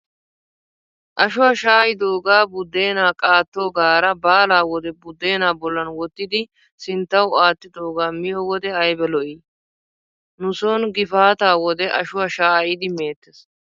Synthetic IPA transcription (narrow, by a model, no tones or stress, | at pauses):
ʔɐʃʊwaʃaːjɪd̪o̞ːɡaːbʊd̪ːe̞ːnaːkʼaːt̪ːoːɡaːɾɐbaːlaːwɔd̪ɛbʊd̪ːe̞ːnaːbɔlːɐnwɔt̪ːɪd̪ɪ | sɪnt̪ːɐwaːt̪ːɪd̪oːɡaːmɪjɔwɔd̪ɛɐjbɛlɔʔi | nʊsɔnɡɪfaːt̪aːwɔd̪ɛʔɐʃʊwaʃaːjɪd̪ɪmeːt̪ːɛs